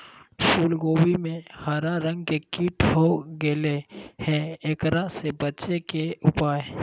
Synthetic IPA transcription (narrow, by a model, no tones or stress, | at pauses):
suːlɡoːwimẽhaɾaɾə̃ŋɡkekiːʈhoɡelehɛ̃eːkɾasebətːt͡ʃekeʊpaːe